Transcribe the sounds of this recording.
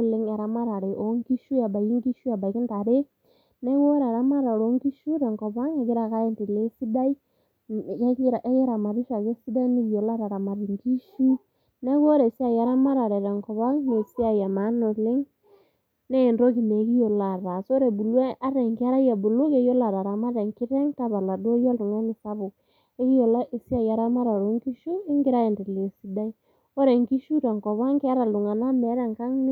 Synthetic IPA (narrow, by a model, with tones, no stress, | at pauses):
le˦ŋa˨ɾa˨ma˦ɾa˨ɾe˨ʔo˨˦ŋɡi˦ʃu˦ja˨ba˨ji˦ŋɡi˦ʃu˦a˨ba˨i˨ki˦nta˨ɾe˦ | nɛ˦ɣɔ˦ɾa˨ɾa˦ma˦ɾa˨ɾo˨˦ŋɡi˦ʃu˦ɾɛ˨ŋkɔ˨βa˦ŋe˨ɣe˦ɾa˨ka˦e˦nti˨le˦si˦da˦i˦˨ | kɛ˦kɾa˨ʔɛ˦ɣe˦ɾa˨ma˨ɾi˦ʃa˨ɣe˦si˦da˦i˦ni˦ɡi˨jɔ˨la˦ɾa˨ɾa˨ma˨ɾi˨ŋɡi˦ʃu˦ | nɛ˦ɣɔ˦ɾɛ˨si˦a˦ja˨ɾa˦ma˦ɾa˨ɾɛ˨ɾɛ˨ŋkɔ˨βa˦ŋne˨si˦a˦˨ja˨ma˨˦no˨le˦ŋ | ne˦˨ndo˦ɣi˨ne˨˦ɣi˦jo˨la˨ɾa˨so˦ɾe˨bu˨lwe˦ʔa˦ɾɛ˨ŋki˦a˦ɾa˦ja˨bu˨lo˦ke˨˦jo˦la˨ɾa˨ɾa˨ma˦ɾe˨ŋki˦ɾɛ˦ŋta˦βa˨la˨dwo˦ja˦lu˨ŋa˦ni˨sa˦βo˨ | e˦ɣi˦ɔ˨la˦ʔe˨si˦a˦˨ja˨ɾa˦ma˦ɾa˨ɾo˨˦ŋɡi˦ʃu˦e˦ŋɡi˦ɾa˦e˨ndɛ˨le˨si˨da˦i˦ | o˦ɾe˨ŋɡi˦ʃu˦ɾa˨ŋkɔ˨βa˦ŋke˦a˦ɾa˨lu˨ŋa˨na˦mɛ˨˦ɾɛ˦˨ŋka˦ŋn˦